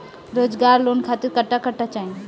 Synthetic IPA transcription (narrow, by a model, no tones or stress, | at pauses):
ɾoːd͡ʒɡaːɾloːnkʰat̪ɪɾkəʈːakəʈːat͡ʃaːɦĩ